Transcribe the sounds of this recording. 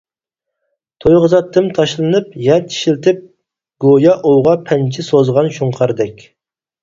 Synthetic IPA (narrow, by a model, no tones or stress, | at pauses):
t̪ʰojʁəzɑt̪ʰːɨmt̪ʰɑʃlˠɨnɨpjɛt̪ʰi̥ʃilt̪ʰɪp̚ | ɡ̥ojɑʔowʁɑpʰɛnt͡ʃʰɪsozʁɑnʃuɴqʰɑɾd̪ɛkʲ